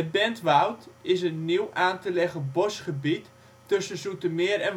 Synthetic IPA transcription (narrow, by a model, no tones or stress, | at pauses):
əbɛntʋawtɪs̬ənːiwʔaːntəlɛχəbɔsχəbitː | ɵsəsutəmɪːɾɛn